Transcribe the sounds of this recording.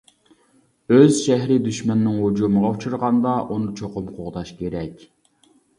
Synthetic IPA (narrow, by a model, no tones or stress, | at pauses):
øzʃɛɦɾɪd̪yʃmɛnːɪŋhud͡ʒuməʁɑut͡ʃʰuɾʁɑnd̪ɑʔunɨt͡ʃʰoqʊmqʰʊʁd̪ɑʃkʲeɾɛkʲ